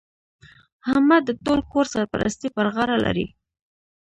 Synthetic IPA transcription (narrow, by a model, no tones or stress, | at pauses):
hamad̪ət̪olkoɾsaɾpa̰ɾa̰st̪ipəɾɣɑɾalʔa̰ɾḭ